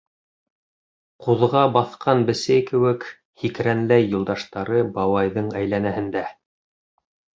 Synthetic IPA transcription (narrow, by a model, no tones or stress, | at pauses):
quðʁɑbɑθqʰɑnbɘ̆sæjkɘ̆wɘk | hikɾænlæjːulˠd̪ɑʃt̪ɑɾɤbɑwɑjðɤɴæjlænæhɘ̆nd̪æ